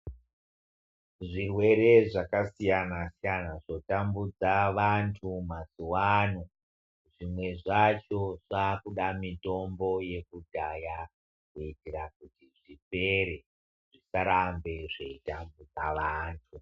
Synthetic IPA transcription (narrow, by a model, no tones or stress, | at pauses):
ʐirwe̞ɾe̞ʐakasijanasijanaʐo̞tambud͡zaʋantʰumasuwan̤u | ʐimwe̞ʐat͡ʃo̞ʐakuɗamito̞mbo̞je̞kudʱaja | kuitirak̚utiʐipe̞ɾe | ʐ̥isaɾambe̞ʐeitambud͡zaʋaːntʰu